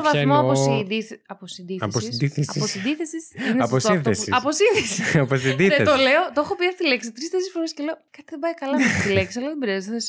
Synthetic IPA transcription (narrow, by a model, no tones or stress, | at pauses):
ovɐθmoosid̪iθɐposind̪iθɐsosiθesɐiosid̪iθesisnɐposiesiɐposinðisiɐposid̪ieet̪oleot̪ooxopiɐsi̥t̪ileksit̪ɾist̪esisfo̞ɾesceleokɐt̪iðebɐjkɐlɐmest̪ileksiɐlɐðebeɾiɐzes